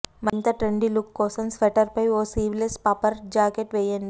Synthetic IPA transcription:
mɐnt̪ɐʈɾeɳɖilukːoːsɐnsfɐʈɐɾpɐioːsiːʋlespaːpəɾd͡ʒaːkeʈʋeːjɐnd̪i

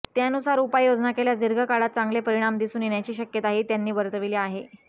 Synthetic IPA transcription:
t̪janusaɾupajjod͡znakeljad͡ziɾɡʱəkaɽat̪̚t͡saŋɡlepəɾiɽ̃amd̪isuːnjeɳjat͡ɕiːɕəkjət̪aɦit̪janːiːbəɾt̪əʋiliaɦe

